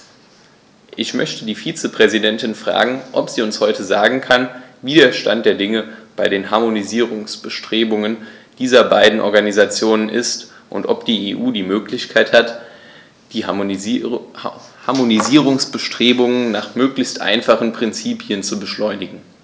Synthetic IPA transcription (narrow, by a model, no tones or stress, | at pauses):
ʔɪçmœçtədiːfiːt͡səpʁ̥ɛzidɛntɪnfʁ̥a̰ːɡŋ̩ʔɔpz̥iːʊnshɔʏtəzaːɡŋ̩kʰanviːdeːɐʃta̰nt̚d̥eːɐdɪŋəb̥aɪɾeːnɦaɐmoniziːʁʊŋsb̥əʃtʁ̥eːbʊŋənd̥iːzɐbaɪdn̩ʔɔ̰ɐɡanizat͡sjoːnənʔɪst | ʔʊ̰ntʔɔpd̥iːeːʔuːdiːmøːklɪçkʰaɪthat | d̥iː | haɐmoniziːʁ̞ʊŋsb̥əʃtʁ̥eːbʊŋənnaːχmøːklɪçstʔa̰ɪnfaχən̩pʁ̥ɪnt͡siːpʰjənt͡subəʃlɔʏnɪɡŋ̩